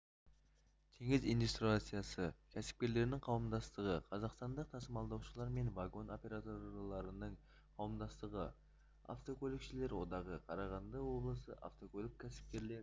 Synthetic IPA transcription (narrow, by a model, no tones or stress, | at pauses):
t̪ʰe̞ŋɪzind̪ust̪ɾiat̪sɨjasəkʲʰæsɪ̥p̚kʲe̞ɾle̞ɾɪnɪŋqʰɑwəmd̪ɑst̪əʁəqʰɑzɑqst̪ɑnd̪əq̚t̪ʰɑsəmɑlˠd̪ɑwʃəlˠɑɾme̞nvaɡo̞no̞pʲe̞ɾat̪o̞ɾlˠɑɾənəɴ | qʰɑwəmd̪ɑst̪əʁə | a̰ft̪o̞kʲʰolʲˠɪkʃɪle̞ɾwo̞d̪ɑʁəqʰɑɾɑʁɑnd̪əwo̞blˠəsəʔa̰ft̪o̞kʰolʲˠɪk̚ʲkʲʰæsɪ̥p̚kʲe̞ɾle̞ɾɪ